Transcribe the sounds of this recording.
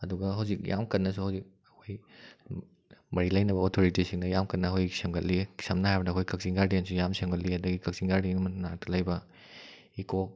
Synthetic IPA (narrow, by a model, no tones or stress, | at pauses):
ɐduɡɐɦɐwzik̚ja̰mkɐnːɐsuhɐwzik̚ | ɐkʰoj | mɐɾilɐjnɐbɐotʰoɾitisiŋnɐjamkɐnːɐɦojsemɡɐt̚li̥sɐmnɐhajbɐdɐkʰojkɐk̚ziŋɡaɾdiensujamsemɡɐt̬̚liɐdɐɡikɐk̚ziŋɡaɾdienmɐnatulɐjbɐ | iko